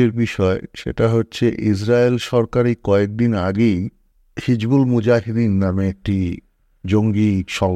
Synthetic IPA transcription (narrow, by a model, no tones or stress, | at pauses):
eɾbiʃɔeʃḛʈaɦotːɕʰeʔisɾaelʃɔɾkaɾikɔek̚d̪inaɡej | hid͡ʑbulmud͡ʑaɦid̪innameek̚ʈi | d͡ʑoŋɡiʃɔl